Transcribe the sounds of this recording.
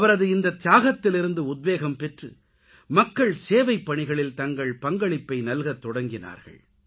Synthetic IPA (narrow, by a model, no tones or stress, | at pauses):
ɐʋɐɾɐðɯɪnd̪ɐt̪ɪjaːɣɐt̪ːɪlɪɾɯnd̪ɯʊd̪̚ʋeːɣɐmpɛʈrɯ | mɐkːɐɭseːʋɐɪpːɐɳɪɣɐɭɪlt̪ɐŋɡɐɭpɐŋɡɐɭɪpːɐɪnɐlɣɐt̪ːɔɽɐŋɡɪna̰ːɾɣɐ̰ɭ